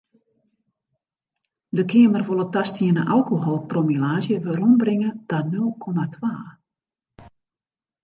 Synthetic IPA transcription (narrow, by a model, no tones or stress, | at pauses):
dəkʰɪəmərvolˠətastʰiənəʔalˠkoɦɔlˠpromilaːzjəʋərumbrɪŋədanølˠkʰomatʰʋaː